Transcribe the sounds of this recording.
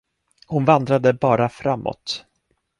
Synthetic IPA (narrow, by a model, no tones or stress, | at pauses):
hʊnvand̪ɾad̪əbɑːɾafɾamːɔ̰t̪